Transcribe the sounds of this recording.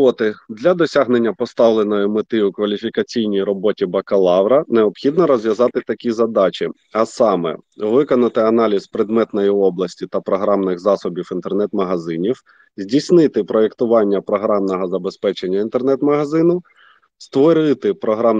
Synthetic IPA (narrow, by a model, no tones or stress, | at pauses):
ɔt̪ɪd̪lʲɐd̪ɔsʲaɦne̞nʲːɐpɔst̪ɑwlˠenɔjʊmɪt̪ɪʊkʋɐlʲifʲikɐt͡sʲijnʲijrɔbɔtʲibɐkɐlˠɑʋɾɐneɔpxʲid̪nɔɾɔzʋjɐzɑt̪ɪt̪ɐkʲizɐd̪ɑt͡ʃʲi | ɐsɑmɛ̰ʋɪkɔnɐt̪ɪɐnɑlʲizpɾɪd̪mɛt̪nɔjiɔblˠɐsʲtʲit̪ɐpɾɔɦɾɑmnɪxzɑsɔbʲiwint̪ernɛt̪mɐɦɐzɪnʲiw | zʲdʲisʲnɪt̪ɪpɾɔe̞kt̪ʊʋɑnʲːɐpɾɔɦɾɑmnɔɦɔzɐbe̞spɛt͡ʃenʲːɐint̪ernɛt̪mɐɦɐzɪnʊ | st̪ʋɔɾɪt̪ɪpɾɔɦɾɑm